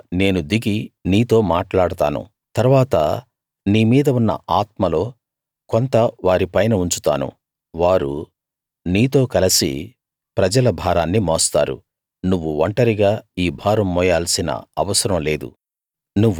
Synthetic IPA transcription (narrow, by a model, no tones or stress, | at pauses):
ne̞ːnud̪iɡiniːt̪o̞ːmaːʈlaːɽɐt̪a̰ːnṵ | t̪ɐɾʋaːt̪ɐ̰ | niːmiːd̪ɐunːɐ̰aːt̪mɐlo̞ː | kont̪ɐʋaːɾipɐjnɐuɲt͡ʃu̥t̪a̰ːnṵ | ʋaːɾṵ | niːt̪o̞ːkɐlɐsḭ | pɾɐd͡ʒɐlɐbʱaːɾaːnːimɔːst̪a̰ːɾṵ | nuʋːuʋɐɳʈɐɾiɡaːiːbʱaːɾɐmːɔːjaːlsinɐ̰ɐʋɐsɐɾɐmle̞ːd̪ṵ | nuʋː